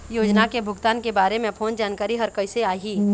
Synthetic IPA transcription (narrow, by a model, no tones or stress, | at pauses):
joːd͡ʒnakebʱʊɡt̪aːnkebaːɾemẽpʰoːnd͡ʒaːnkaːɾiɦɐɾkəɪseaːɦiː